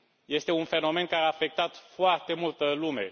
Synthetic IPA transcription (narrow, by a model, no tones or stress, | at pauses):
je̞st̪e̞unfe̞no̞me̞nkaɾeafe̞k̚t̪at̪foart̪e̞mult̪əlume̞̰